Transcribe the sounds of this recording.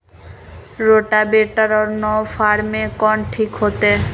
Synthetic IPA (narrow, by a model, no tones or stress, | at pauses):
ɾoʈabeʈaɾɔɾnɔfaɾmekɔnʈʰikɦot̪e